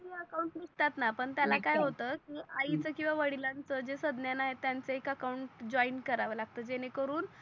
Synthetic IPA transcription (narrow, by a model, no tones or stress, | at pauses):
ɦiəkauɳʈnikt̪at̪napəɳt̪jalakajɦot̪əkiːʔait͡səkĩw̃ʋaʋəɽ̤ilant͡səd͡ʑesəd̪njanaɦet̪ːjant͡seekəkauɳʈd͡ʑɔinkəɾaʋəːlaɡ̚t̪əːd͡ʑenekəɾuːn